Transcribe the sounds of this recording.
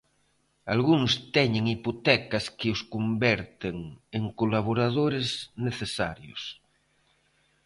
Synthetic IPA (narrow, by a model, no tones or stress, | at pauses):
alɣuŋst̪ɛɲeŋipot̪ɛkaskeoskombɛɾt̪eŋeŋkolaβoɾað̞oɾezneθesaɾjo̰s